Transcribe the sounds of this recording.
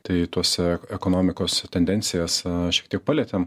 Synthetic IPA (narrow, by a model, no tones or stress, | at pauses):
t̪ɐɪt̪uɔsɛɛkoːnoːmʲɪkoːst̪ʲɛnʲd̪ʲɛnʲtsʲɪjɛːsʃʲiɛkt̪ʲiɛk̚pɑlʲɛːt̪ʲeːm